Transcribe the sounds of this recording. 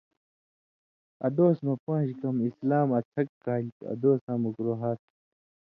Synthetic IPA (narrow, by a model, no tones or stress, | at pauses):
ɐ̰d̪oːsmɐ̃pãːɕkɐmislaːmɐt͡sʰɐkːaːlt̪ṵɐ̰d̪oːsãːmukɾoːɦaːt̪̚